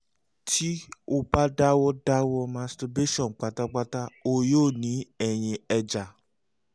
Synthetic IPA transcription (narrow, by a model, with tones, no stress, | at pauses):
tʰi˦o˧ba˦da˦wɔ˦da˦wɔ˧mã˨˧˦sta˧be˦ʃɔ̃˦˨n̩˨k͡pa˧ta˦k͡pa˦ta˦o˧joː˦˨nĩ˨˦ɛ˨j̃ĩ˧ɛ˧d͡ʒa˨